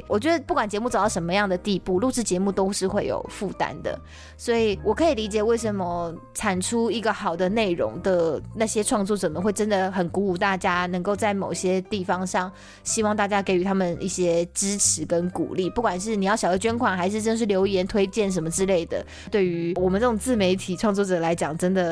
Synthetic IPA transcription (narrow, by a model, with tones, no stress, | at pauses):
wʔɔ˨˩t͡ɕɥɛ˧˦˥d̪ə˧pu˥˩kwa˨˩nt͡ɕjɛ˧˥mu˥˩t͡sd̪ɑ˥˩ʂə˧˦mə˧jɑ˥˩ŋd̪ə˩t̪i˥˧pu˥˨lu˥˧ʂɻ̩˥˩t͡ɕjɛ˧˥mu˥˩t̪o˥ʊʂɻ̩˥˧xwe˥˩ɪjo̰˨˩ʊfu˥˩t̪a̰˥nd̪ə̰˨ | swɔ˧˥i˨˩wɔ˨˩kʰɤ˧˥i˨˩li˧˥t͡ɕjɛ˨˩we˥˩ɪʂə˧˥nmə˧ʈ͡ʂʰa˨˩nʈ͡ʂʰu˥i˧˥ɡə˨xɑ˨˩ʊd̪ə˧˦ne˥˩ɪɻo̰˧˥ŋd̪ə˨na˥˩ɕjɛ˥ʈ͡ʂʰwɑ˥˧ŋt͡swɔ˥˩t͡sə˨˩nmə˩˦xwe˥˩ɪʈ͡ʂə˥nd̪ə˨xə˨˩nku˧˥u˧˩t̪a˥˩t͡ɕja˥nə˧˥ŋko˥˧ʊt͡sa˥˩ɪmo˨˩ʊɕjɛ˥t̪i˥˩fɑ˧ŋʂɑ˥˩ŋ | ɕi˥wɑ˥˧ŋt̪a˥˩t͡ɕja˥ke˨˩ɪy˧˥t̪ʰa˥mə˨ni˥˩ɕjɛ˥ʈ͡ʂɻ̩˥ʈ͡ʂʰɻ̩˧˥kə˦˥nkṵ˨˩li˥˩pu˥˩kwa˨˩nʂ̬ɻ̩˥˩ni˨˩jɑ˥˩ɕɑ˨˩d̪ə˦˩t͡ɕɥɛ˥nkʰwa˨˩nxa˧ɪʂɻ̩˥˩ʈ͡ʂə˥nd̪ə˨ʂɻ̩˥˩ljo˧˥ʊjɛ˧˥nt̪ʰwe˥ɪt͡ɕjɛ˥˩nʂ̬ə˧˥nmə˧ʈ͡ʂɻ̩˥le˥˩ɪd̪ə̰˩ | t̪we˥˩ɪy˧˥wɔ˨˩mə˦nʈ͡ʂɤ˥˩ʊ˨˩ŋt͡sɹ̩˥˩me˧˥ɪt̪ʰi˨˩ʈ͡ʂʰwɑ˥˧ŋt͡swɔ˥˩ʈ͡ʂɤ˨˩la˧˥ɪt͡ɕjɑ˨˩ŋʈ͡ʂə˥nd̪ə˨